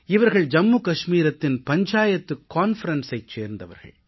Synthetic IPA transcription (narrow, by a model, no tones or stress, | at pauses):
ɪʋɐɾɣɐɭd͡ʒɐmːukɐʂmiːɾɐt̪ːɪnpɐɲd͡ʒaːjɐt̪ːɯkːaːnfɐɾɐnsɐɪt͡ʃeːɾnd̪ɐʋɐ̰ɾɣɐ̰ɭ